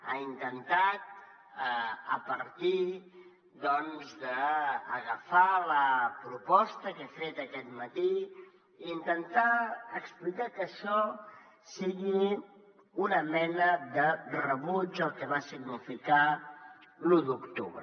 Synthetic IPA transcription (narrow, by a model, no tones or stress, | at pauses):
a̰int̪ənt̪at̪̚ | əpəɾt̪i | d̪ɔnzðəːɣəfaləpɾupɔst̪əkefet̪əkɛt̪mət̪iː | nt̪ənt̪aəksplikakəʃɔ | siɣi | unəmɛnəðərəβud͡ʒəlˠkɛβasiɡnifika | lud̪ukt̪uβɾə